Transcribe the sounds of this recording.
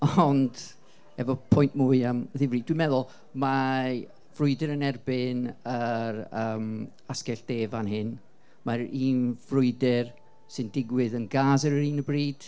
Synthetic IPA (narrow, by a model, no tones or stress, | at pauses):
ɔnd | ɛvɔpʰɔjnʔmuːɨəmðɪvriːdwimɛðʊlˠ | ma | v̥rʊɨdɪɾənɛrbɪnəɾəːm | askɛɬd̥eːvanɦɪn | maɾiːnvrʊɨdɪr | sɨndɪɡwɪðənɡaːzəɾəɾiːnəbriːd̥